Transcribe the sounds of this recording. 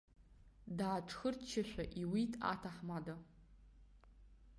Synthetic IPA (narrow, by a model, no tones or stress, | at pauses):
daːʈ͡ʂʰxɨrt͡ʃʰɪʃʷaʔiwitʼa̰tʰaħmada